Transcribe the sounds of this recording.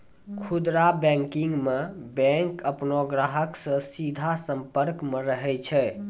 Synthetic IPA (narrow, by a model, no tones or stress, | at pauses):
kʰud̪ɾabɛ̃ŋkiŋɡmebɛŋkəpnoɡɾaɦəksə̃sid̪ʱasəmpəɾkmeɾəɦɛt͡ʃʰɛ